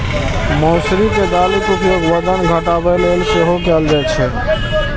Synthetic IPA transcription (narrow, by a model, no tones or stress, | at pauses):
mɔsɾiked̪alikut̪joɡʋəd̪ənɡʱəʈabelelseɦokɛld͡ʒat͡ʃʰɛ